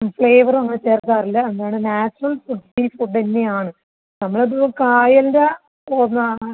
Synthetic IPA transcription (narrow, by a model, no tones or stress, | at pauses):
fɭeːʋɐrʋɐnːɨt͡ɕe̞ːrt̪aːrilːɐend̪aːjɳɨnaːt͡ɕːrɐlfuɖilfuɖenːejaːɳɨ | nɐmːɐɭetukaːjɐlde | onː